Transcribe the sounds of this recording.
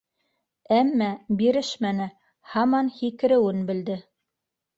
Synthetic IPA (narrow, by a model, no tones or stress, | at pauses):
æmːæbiɾɘʃmænɘ | hɑmɑnhikɘ̆ɾɘ̆wɘnbɘ̆ld̪ɘ